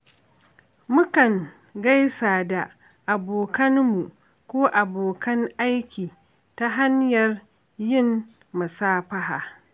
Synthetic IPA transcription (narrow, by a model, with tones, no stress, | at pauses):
mʊ˦kɐ˨ŋ | ɡa˦jsaː˨da˨ | ʔa˨boː˨kɐ˦nmu˨ | kʷoː˦ʔa˨boː˨kɐ˦ŋʔa˦jkʲiː˨ | ta˦ɦa˦ɲjɐ˨r | jɪ˦mː | ɐ˨saː˦ɸɐ˦ɦaː˨